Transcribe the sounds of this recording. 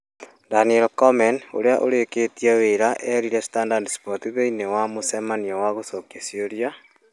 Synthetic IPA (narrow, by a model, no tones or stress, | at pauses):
danielkɔmɛno̰ɾeaʔoɾeketieweɾaʔɛɾiɾɛsi̥tandadspotiðeinewamosemaniɔwaɣosokesioɾja